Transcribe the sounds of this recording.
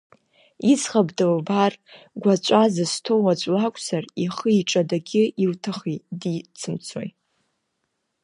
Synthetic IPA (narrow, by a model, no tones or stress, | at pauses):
isχabdalbar | ɡʷat͡ɕʷʼazɨstʰowad͡ʒʷʼlakʷʰʼsariχəiʈ͡ʂʼadaɡʲɪiltʰaχidit͡sʰɨmt͡sʰo̰j